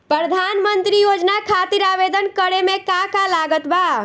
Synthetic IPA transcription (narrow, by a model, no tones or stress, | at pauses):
pɾəd̪ʱanmənt̪ɾijod͡ʒnakʰat̪iɾabed̪ənkəɾemekakalaɡət̪ba